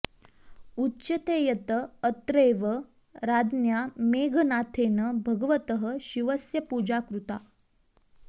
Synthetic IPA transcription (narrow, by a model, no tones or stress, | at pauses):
utːɕɐt̪ejɐt̪əːt̪ɾeʋə | ɾad̪njameːɡʱənaːt̪ʰeːnəbʱɐɡəʋət̪əɦəɕiʋəsjɐpud͡ʑakɾut̪a